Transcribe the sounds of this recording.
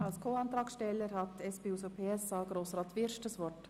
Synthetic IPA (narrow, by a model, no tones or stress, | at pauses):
alskʰoːɑnt̪ɾɑːksʃtɛləɾhɑt̪ɛspeːusopʰeːɛsɑːɡɾoːsrɑːt̪ʋɪɾʃtəsʋɔrt